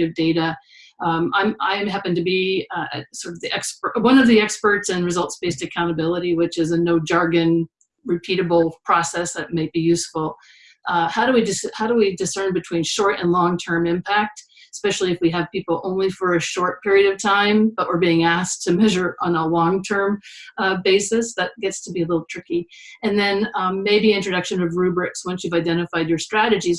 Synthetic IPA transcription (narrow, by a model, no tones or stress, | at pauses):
ɨvdeɪɾɨ | ãɪ̃ma̰ɪɨ̃mɦæpɨ̃ŋtɨbiɨ̰sɔɹɾʌvðiʔɛkspə˞wʌ̃nʌvðiɛkspə˞tsɨ̃nɹɨzʌlˠtsb̥eɪstɨkʰãʊ̃ɾ̃ɨbɪlˠəɾiwɪt͡ʃɨzɨnoʊd͡ʒɑɹɡɨ̃n | ɹɨpʰiɾɨbl̩ˠpʰɹ̥ɔsɛsðɨt̚maɪt̚b̥ijʉsfl̩ˠ | haʊɾɨwidɨshaʊɾəwidɨsɜ̃˞nbɨtʰw̥ĩnʃɔɹɾɨ̰̃nlɔ̃ŋtʰɜ̃˞mɪ̃mpʰæk̚t | spɛʃl̩ˠiɨfwiɨv̥pipl̩ˠõʊ̃nlifə˞ɨʃɔɹt̚pʰɪɹiɨɾʌv̥tʰãɪ̃mb̥ʌʔwəɹbiɪ̃ŋæstʰɨmɛʒə˞ʔə̃nəlɔ̃ŋtʰɜ̃˞mbeɪsɨsðɨt̚ɡ̥ɛtstʰəbiɨlɪɾl̩ˠtʰɹ̥ɪkiɨ̃nðɨ̃nmeɪbiɪ̃nt͡ʃɹ̥ɨdʌkʃɨ̃nwɨvɹʉbɹɪkswʌ̃nsjʉvaɪdɛ̃ɾ̃ɨfaɪdjə˞stɹ̥æɾɨd͡ʒiz